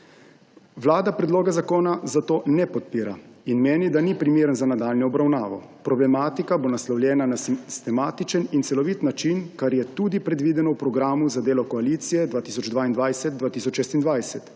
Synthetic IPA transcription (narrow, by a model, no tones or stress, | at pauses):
ʋlaːd̪apɾɛd̪loːɡɛzakoːnazat̪oːnɛpɔt̪̚piːɾa̰ | inmeːnid̪anipɾimeːɾənzanad̪aːlnɔɔbɾawnaːʋɔ̰ | pɾɔblɛmaːt̪ikabonaslɔwljɛːnanasist̪ɛmaːt̪it͡ʃənint̪sɛlɔʋit̪nat͡ʃinkaɾjɛt̪uːd̪ipɾɛd̪ʋiːd̪ɛnɔwpɾɔɡɾaːmuzad̪eːlɔkɔaliːt̪sijɛd̪ʋaːt̪isɔd͡ʒd̪ʋaːind̪ʋajsɛt̪̚d̪ʋaːt̪iːsɔt͡ʃʃɛːst̪ind̪ʋajsɛt̪